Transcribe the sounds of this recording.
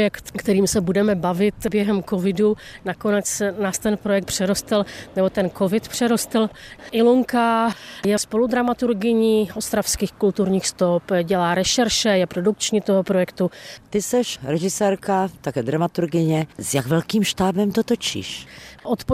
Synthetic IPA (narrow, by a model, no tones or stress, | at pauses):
jɛkt̪kt̪ɛɾiːmsɛbudɛmɛbavɪt̪bjɛɦɛmkovɪdunako̞nɛt͡snaːst̪ɛnpɾo̞jɛk̚t̪pr̝̥ɛɾost̪ɪlnɛbo̞t̪ɛnkovɪt̪pr̝̥ɛɾost̪ɪlʔɪloŋkajɛspo̞lud̪ɾamat̪uɾɡɪɲiʔost̪ɾafskiːxkult̪uɾɲiːxst̪opɟɛlaːɾɛʃɛɾʃɛjɛpɾoduk̚t͡ʃɲit̪oɦopɾojɛkt̪ut̪ɪsɛʃɾɛʒɪsɛːɾkat̪akɛːd̪ɾamat̪uɾɡɪɲɛzjaɡvɛlkiːmʃt̪aːbɛmt̪ot̪ot͡ʃḭːʃʔot̪p